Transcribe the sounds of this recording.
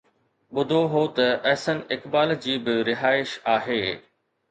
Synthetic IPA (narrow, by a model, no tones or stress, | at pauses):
ɓʊd̪ʱoɦot̪ɐʔɛɦsənɪkbaːld͡ʑiːbɪɾɪɦaːɪʃaːɦeː